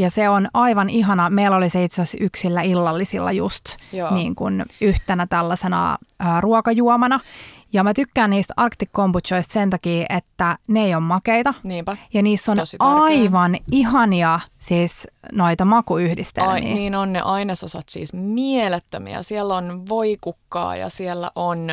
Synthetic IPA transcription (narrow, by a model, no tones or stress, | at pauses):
jɑseonɑiʋɑniɦɑnɑmeilːoliseit̪sɑsyksilːæilːɑlːisḭlːɑ̰just̪ːniːŋkunyht̪enæt̪ælːɑsenɑ̰əːruokɑjuomɑnɑjɑmæt̪ykːæːnniːst̪ɑrkt̪ikːomput̪t͡ʃoist̪sent̪ɑkiːʔet̪ːæneijommɑkeit̪ɑniːmpæjɑniːsːonɑiʋɑniɦɑniɑsiːsnoit̪ɑmɑkuyhdist̪ḛmːḭːniːnonnḛʔɑinesosɑt̪sḭːsmielet̪ːømḭæ̰sielːonʋoikukːɑ̰ːjɑ̰sielːæ̰ʔon